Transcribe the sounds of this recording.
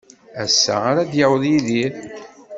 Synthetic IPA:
æsːæ̰aɾæd̪jəwðjiðiɾ

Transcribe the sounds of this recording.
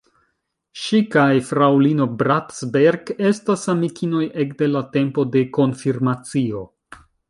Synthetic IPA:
ʃikajfɾawlino̞bɾatsbeɾɡe̞stasamikʰino̞je̞kde̞late̞mpo̞de̞ko̞nfiɾmat͡sio̞

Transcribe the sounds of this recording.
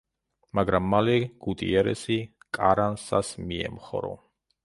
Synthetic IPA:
maɡɾamːalɛɡ̥ut̪ʼḭɛɾɛ̰sikʼaɾansasmiɛ̰mχɔ̰ɾɔ̰

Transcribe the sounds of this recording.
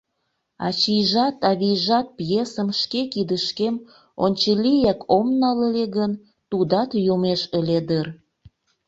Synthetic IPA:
ɑ̰t͡ɕijʒɑt̪ɑβijʒɑt̪̚pjesəmʃkekid̪əʃkem | onʲt͡ɕəlijekʰomnɑləleɣən | t̪ud̪ɑt̪jomeʃə̆lʲed̪ər

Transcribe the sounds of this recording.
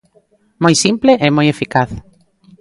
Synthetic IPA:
mojsimpleʔemojefikaθ

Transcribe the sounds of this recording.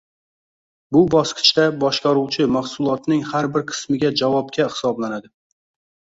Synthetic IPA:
bʊbɒsqʰɨ̥t͡ʃt̪abɒʃqɑɾuwt͡ʃʰɪmaχsʊlˠɒt̪nɪŋhaɾbɪɾqʰɨ̥smɪɡʲad͡ʒavɒp̚kʲahɪ̥sɒblanad̪ɪ

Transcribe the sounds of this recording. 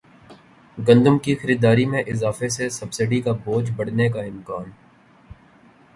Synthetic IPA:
ɡɐ̃nd̪ʊmkixɐɾiːd̪aːɾimẽʔɪzaːfesesɐbsɪɖikaboːd͡ʒbɐɽ̤nekaɪmkaːn

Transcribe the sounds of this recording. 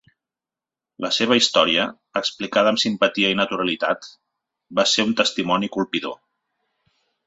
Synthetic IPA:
ləseβ̞əist̪ɔɾiəː | ksplikaðəːmsimpət̪iəinət̪uɾəlit̪at̪ | baseunt̪əst̪imɔnikulˠpiðo̰

